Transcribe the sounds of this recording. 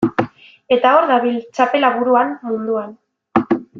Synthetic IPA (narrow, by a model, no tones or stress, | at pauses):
e̞t̪ao̞ɾɣaβilt͡ʃape̞laβuɾuanmund̪uan